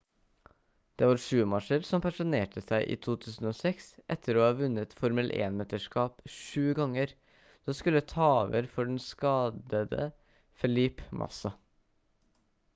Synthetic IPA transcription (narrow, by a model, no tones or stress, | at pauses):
d̪̥eːʋɑːɾʂʉːəmɑʂəɾsɔmpʰɑʂʊneːʈəsæɪʔḭːt̪ʰuːt̪ʰʉːsən̩oːsɛksʔɛt̪ʰːəɾoːhɑːʋʉnːət̪fɔɾməlʔḛːnmeːt̪əʂkɑːpʂʉːɡɑŋːəɾ | d̥oːskʉlːət̪ʰɑːʋə̰ɾfɔɖɛnskɑːd̪əd̪ə̰ | fɛlɪpmʔɑ̰sɑ